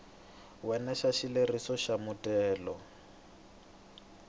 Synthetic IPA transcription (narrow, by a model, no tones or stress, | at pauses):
wɛnaʃaʃilerisɔʃamʊtʼɛːlɔ